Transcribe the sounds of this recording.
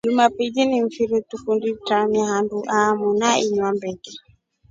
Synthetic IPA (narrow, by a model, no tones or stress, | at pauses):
d͡ʒumapid͡ʒiniɱ̩fiɾitufunditamaɦanduʔamunaiɲwambɛkɛ